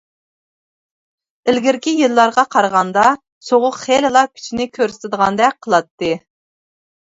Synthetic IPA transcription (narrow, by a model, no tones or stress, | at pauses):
ɪlɡʲiɾkʲijilˠːɑɾʁɑqʰɑɾəʁɑnd̪ɑ | soʁʊqχelɪlˠɑkʲʰy̥t͡ʃʰinɪkʲʰøɾsɪ̥t̪ʰɪd̪əʁɑnd̪ɛk̚ʲqʰəlˠɑt̪ʰːɨ